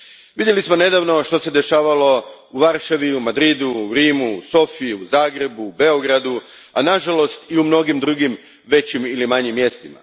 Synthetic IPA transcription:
ʋid̪je̞lismo̞ne̞d̪aːʋno̞ʃt̪o̞sed̪e̞ʃaːʋalo̞uʋaɾʃaʋiumad̪ɾid̪uːɾiːmuuso̞fiiuzaːɡɾe̞buːbe̞o̞ɡɾad̪u | anaʒalo̞st̪iumno̞ɡimd̪ɾuɡim | ʋe̞t͡ɕimilimaɲimːje̞st̪ima̰

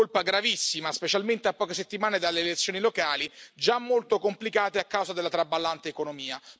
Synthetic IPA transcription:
olpaɡɾavisːimaspet͡ʃalment̪eapːɔːkeset̪ːimaːned̪alːeːlet̪sːjoːnilokaːlid͡ʒamːolt̪okomplikaːt̪eakːawzad̪elːat̪ɾabːalːant̪eekonomiːa

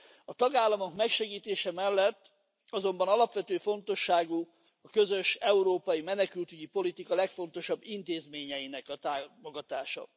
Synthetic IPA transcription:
ɒt̪ɒɡaːlːɒmo̞kmɛkʃɛɡiːt̪eːʃɛmɛlːɛt̪ː | ɒzo̞mbɒnɒlɒpʋɛt̪øːfo̞nt̪o̞ʃːaːɡu | ɒkø̞zøʃɛuɾoːpɒjimɛnɛkylt̪yɟipo̞lit̪ikɒlɛkfo̞n̪t̪o̞ʃɒbːint̪eːzmeːɲɛjinɛkɒt̪aːmo̞ɡɒt̪aːʃɒ̰

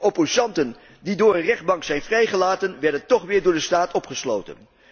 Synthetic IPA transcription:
opozɑntən | didʊːɹənrɛχd̚bɑŋksɛjnvrɛjχəlaːtənʋɛɹdəntɔχʋɪːɹdʊːɹdəstaːtɔpχəslo̰wtə̰n

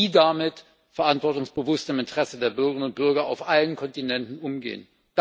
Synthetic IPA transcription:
iːdamɪt | fɛɐʔantv̥ɔɐtʊŋsb̥əvʊstɪmɪntəʁ̥ɛsədeːɐbʏɐɡəʁɪnʊnt̚b̥ʏɐɡɐa̰ʊfʔalənkʰɔntinɛntn̩ʊmɡḛːən | d̥

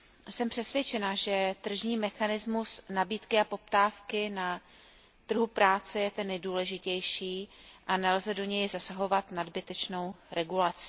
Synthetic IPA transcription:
sɛmpr̥ɛsvjɛt͡ʃɛnaʒɛt̪r̩ʒɲiːmɛxanɪzmusnabiːt̪kɪapo̞p̚t̪aːfkɪna | t̪r̩ɦupɾaːt͡sɛjɛt̪ɛnːɛjduːlɛʒɪcɛjʃiːʔanɛlzɛdo̞ɲɛjzasaɦo̞vat̪nadbɪt̪ɛt͡ʃnowɾʔɛɡulat͡sɪ̥

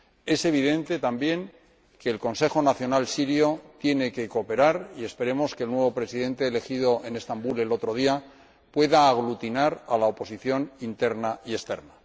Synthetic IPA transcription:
e̞se̞β̞iðe̞nt̪e̞t̪ambje̞ŋ | ke̞ːlko̞nse̞xo̞naθjo̞nalsiɾjo̞t̪je̞ne̞ke̞ko̞pe̞ɾaɾie̞spe̞ɾe̞mo̞ske̞lnwe̞βo̞pɾe̞siðẽ̞nt̪e̞ːle̞xiðo̞ʔene̞st̪ambule̞lo̞t̪ɾo̞ð̞ia | pwe̞ðaːɣ̞lut̪inaɾalaopo̞siθjo̞nint̪e̞ɾnaie̞st̪e̞̰ɾna

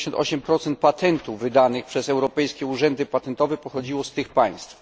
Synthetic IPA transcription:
ɕɔnt̪ʔɔ̰ɕɛmpɾɔt̪sɛnt̪̚pat̪ɛnt̪uvːɘd̪anɘxpʂɛsɛwɾɔpɛjskʲɛuʐɛnd̪ɘpat̪ɛnt̪ɔvɛpɔxɔd͡ʑiwɔst̪ɘxpaj̃st̪f

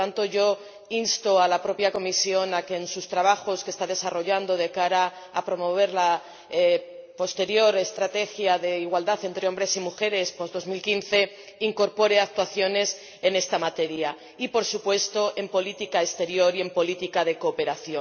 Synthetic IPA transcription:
ant̪o̞ʝo̞ | inst̪o̞alapɾo̞pjako̞misjo̞nake̞ːnsust̪ɾaβ̞axo̞ske̞st̪aðe̞saro̞ʝand̪o̞ðe̞kaɾaː | pɾo̞mo̞β̞e̞ɾla | po̞st̪e̞ɾjo̞ɾe̞st̪ɾat̪e̞xjaðe̞iɣwald̪aθe̞nt̪ɾe̞o̞mbɾe̞simuxe̞ɾe̞spo̞zðo̞zmilkinθe̞ | iŋko̞ɾpo̞ɾe̞ak̚t̪waθjo̞ne̞s | e̞ne̞st̪amat̪e̞ɾja | ipo̞ɾsupwe̞st̪o̞ʔe̞mpo̞lit̪ikaest̪e̞ɾjo̞ɾie̞mpo̞lit̪ikaðe̞ko̞ːpe̞ɾaθjo

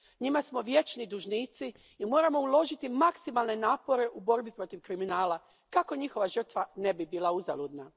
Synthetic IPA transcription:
ɲimasmo̞ʋje̞t͡ʃnid̪uʒniːt̪siː | mo̞ːɾamo̞ulˠo̞ʒit̪imaksimalˠne̞naːpo̞ɾe̞ʔubo̞ɾbipɾo̞t̪iʋkɾiminaːla | kako̞ɲixoʋaʒər̩t̪ʋane̞bibiːlˠauza̰lud̪na

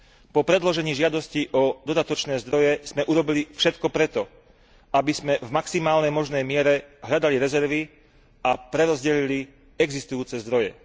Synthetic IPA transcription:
pɔpɾɛd̪lɔʒɛɲiːʒɪad̪ɔsciʔɔd̪ɔd̪at̪ɔt͡ʃnɛːzd̪ɾɔjɛz̥mɛʔuɾɔbilifʃɛt̪kɔpɾɛt̪ɔ | abiz̥mɛvmaksimaːlnɛjmɔʒnɛjmɪɛɾɛɦʎad̪aliɾɛzɛɾʋi | apɾɛɾɔzɟɛʎili | ɛɡzist̪ujuːt͡sɛzd̪ɾɔjɛ

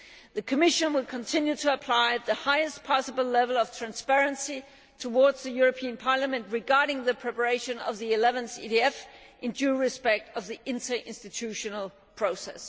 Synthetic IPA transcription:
ðɨkʰəmɪʃɨ̃nwɪlkʰə̃ntʰɪ̃njʉtʰəːpʰl̥aɪðɨhaɪɨst̚pʰɑsəbl̩ˠlɛvəlˠʌv̥tʰɹ̥æ̃nspɛɹɨ̃nsi | tʰəwɔdz̥ðɨjʊɹɨpʰiɨ̃npʰɑɹləmɨ̃nʔɹɨɡɑɹɾɪ̃ŋðɨpʰɹ̥ɛpə˞eɪʃɨ̃nʌ̰vðiɪlɛvɨ̃nsḭɾiɛf | ʔɪ̃ndʉɹɨspɛk̚tʌvðiʔɪ̃ntə˞ʔɪ̰̃nstɨtʰʉʃɨnl̩ˠ | pʰɹ̥oʊsɛ̰s

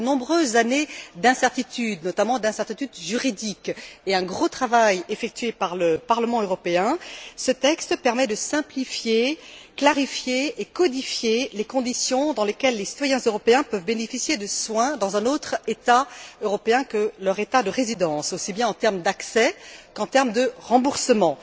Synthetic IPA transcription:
ənɔ̃bʁøzaned̪ɛ̃sɛʁt̪it̪yd̪nɔt̪amɑ̃d̪ɛ̃sɛʁt̪it̪yd̪ʒyʁid̪ikeɛ̃ɡʁot̪χavajefɛk̚t̪ɥepaʁləpaʁləmɑ̃øʁɔpeɛ̃sət̪ɛkst̪əpɛʁmɛd̪əsɛ̃plifjeklaʁifjeːkɔd̪ifjelekɔ̃d̪isjɔ̃d̪ɑ̃lekʲɛlːesi̥t̪wajɛ̃zøʁɔpeɛ̃pœvbenefisjed̪əswɛ̃d̪ɑ̃zɛ̃not̪χet̪aøʁɔpeɛ̃kəlœʁet̪ad̪əʁezid̪ɑ̃sosibjɛ̃ɑ̃t̪ɛʁmd̪aksɛkɑ̃t̪ɛʁmd̪əʁɑ̃buʁsəmɑ̃

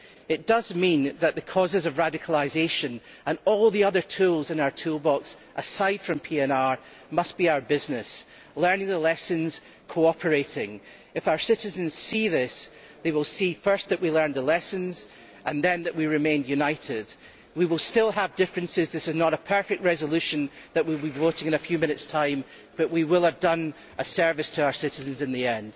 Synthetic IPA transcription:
ɪʔd̥ʌzmĩnðəʔðəkʰɔzɪzəvɹadɪkʰəl̩ˠaɪzeʃə̃n | ə̃nɔlˠðiʌðə˞tʰulˠzɨ̃naʊə˞tʰulˠbɔks | ʔəsaɪd̥fɹə̃mpʰiɛ̃naɹ | mʌsb̥iaʊə˞bɪznɪs | lˠɜ̃˞nɪ̃ŋðəlˠɛsə̃nz̥ | kʰoɔpʰə˞eʔɪ̃ŋ | ɨfaʊə˞sɪʔɪzə̃nz̥siðɪs | ðewɪlˠsifɜ˞sðəʔwilˠɜ̃˞nðəlˠɛsə̃nz̥ | ʔə̃nðɨ̃nðəʔwiɹɪmẽnjʉnaɪʔɪd̥ | wiwɪlˠstɪlˠəvdɪfɹɨ̃nsɪzðɪsɨznəɾəpʰɜ˞fɛk̚t̚ɹɛzəlˠʉʃɨ̃nðəʔwibivoʔɪ̃ŋɨ̃nəfjʉmɪ̃ñɪtstʰãɪ̃m | b̥ʌʔwiwɪlˠəvdʌ̃n | ʔəsɜ˞vɨstʰəaʊə˞sɪʔɨzə̃nzɨ̃nðiɛ̃nd̥

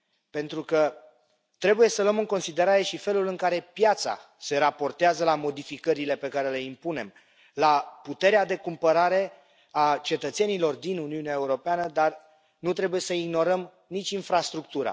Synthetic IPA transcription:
pe̞nt̪ɾukə | t̪ɾe̞buje̞sələmɨŋko̞nsid̪e̞ɾaɾe̞ʃife̞lulɨŋkaɾe̞pjat̪sa̰ | se̞ɾapo̞rt̪eazəlamo̞d̪ifikəɾile̞pe̞kaɾe̞le̞impune̞m | laput̪e̞ɾead̪e̞kumpəɾaɾe̞ | at͡ʃe̞t̪ət̪se̞nilo̞rd̪inuniuneaeuɾo̞peanəd̪ar | nut̪ɾe̞buje̞səiɡno̞ɾəm | nit͡ʃʲinfɾast̪ɾuk̚t̪uɾa̰

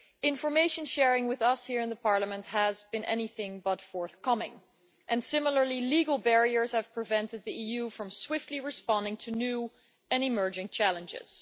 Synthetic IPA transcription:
ɪ̃ɱfə˞meɪʃɨ̃nʃɛɹɪ̃ŋwɪðʌshiɹɨ̃nðəpʰɑɹləmə̃nt̚həzbɨ̃nʔɛ̰niθɪ̃ŋbʌtfɔɹθkʰʌmɪ̰̃ŋ | ʔɨ̃nsɪ̃ml̩ˠə˞liliɡl̩ˠbɛɹiə˞z̥ɨv̥pʰɹ̥ɨvɛ̃ntɨd̪̚ðiijʉfɹʌ̃mswɪftˡliɹɨspɑ̃ndɪ̃ŋtʰɨnʉ | ɨ̃nɨmɜ˞d͡ʒɪ̃ŋt͡ʃʰælˠə̃nd͡ʒɪ̰z̥

